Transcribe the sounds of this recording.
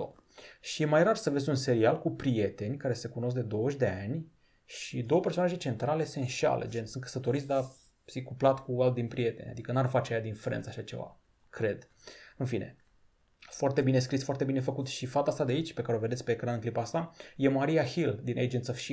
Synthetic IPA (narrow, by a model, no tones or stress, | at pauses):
o | ʃijemajrarsəve̞zʲunse̞ɾialkupɾije̞t̪e̞nʲkaɾe̞se̞kuno̞s̬kd̪e̞d̪o̞wəʃʲd̪e̞anʲ | ʃid̪o̞wəpe̞rso̞naʒe̞t͡ʃe̞nt̪ɾale̞se̞nʃa̰lḛd͡ʒensɨnt̪̚kə̥sət̪o̞ɾit̪sʲd̪a | sikːuplat̪kualt̪̚d̪inʲpɾie̞t̪e̞̰nʲa̰d̪ikənarfat͡ʃeajad̪infɾḛnt̪saʃat͡ʃe̞̰va̰ | kɾe̞d̪ | ɨnfine̞̰ | foart̪e̞bine̞skɾisfoart̪e̞bine̞fəkut̪ʃifat̪ast̪ad̪eait͡ʃʲpe̞kaɾeoved̪e̞t̪sʲpe̞ːkɾanɨŋklipast̪aje̞maɾijahild̪inʔḛd͡ʒent̪sofʃi